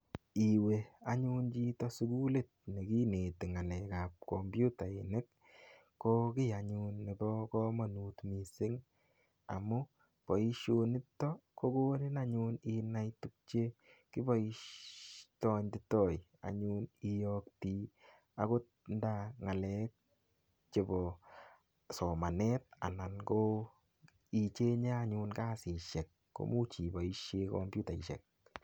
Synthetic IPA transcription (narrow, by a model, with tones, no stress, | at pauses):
i˨we˨a˨ɲuː˦nd͡ʒi˦tɔ˦su˦ɡu˦le˦˨t̚ne˨ki˦ne˨tɪ˨ŋa˨lɛ˨ka˨p̚ko˨mbju˦ta˨e˨ne˦k̚ | ko˦kɪ˦a˨ɲu˧nːe˨bɔ˦kɔ˦mɔ˨nu˨tmisɪ˦ŋ | a̰˨mu˦ | pɔ˨i˦ʃo˧nɪ˦tːɔ˦ko˦ko˦nɪ˦na˦ɲuni˧na˦jtu˧k̚t͡ʃe˦ | kɪ˦bɔ˦i˦ | tɔ˦ɲtɪ˦tɔ˦j | a̰˨ɲu˦ni˨jɔk̚ti˦ | a̰˦ko˦t | nda˦ŋa˨lɛ˦k̚ | t͡ʃe˨bɔ˨ | sɔ˨ma˨nɛ˦t̚a̰˨na˨nɡo˦ | i˨t͡ʃe˦ɲa˦aɲu˧nka˦sɪ˨ʃɛ˨k̚ːo̰˨˦mu˦t͡ʃi˨bɔ˨i˦ʃje˧kɔ̰mbju˦ta˨i˨ʃɛ̰˨k̚